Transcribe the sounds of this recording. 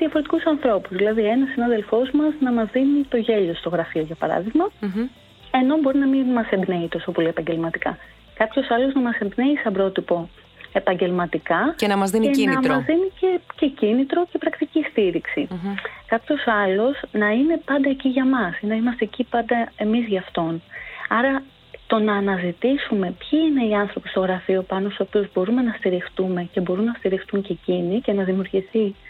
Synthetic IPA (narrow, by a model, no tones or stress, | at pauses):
ðiɐfo̞ɾe̞t̪i̥kusɐnθɾo̞puzðilɐðie̞nɐsːinɐðe̞lfo̞zmɐznɐmɐzðinit̪o̞ʝe̞ʎo̞st̪o̞ɣɾɐfio̞ʝɐpɐɾɐ̰ðiɣmɐ | e̞no̞bo̞ɾinɐminmːɐsembne̞it̪o̞so̞po̞lie̞pɐɲɟe̞lmɐt̪ikɐ̰ | kɐpço̞sɐlo̞znɐmɐse̞mbne̞isɐbɾo̞t̪ipo̞ | e̞pɐɲɟe̞lmɐt̪ikɐcenɐmɐzðineinɐmɐzðinicece̞cinit̪ɾo̞ce̞pɾɐkt̪icist̪iɾiksikɐpço̞sɐlo̞snɐine̞pɐnd̪ɐeciʝɐmɐsinɐimɐst̪e̞ːcipɐnd̪ɐe̞mizʝɐːft̪o̞nɐɾɐ | t̪o̞nɐːnɐzit̪isume̞pçiine̞iɐnθɾo̞pist̪o̞ɣɾɐfio̞pɐnost̪uso̞piuzbo̞ɾume̞nɐst̪iɾixt̪ume̞ce̞bo̞ɾunːɐst̪iɾixt̪uɲce̞cinice̞nɐðimiuɾʝiθi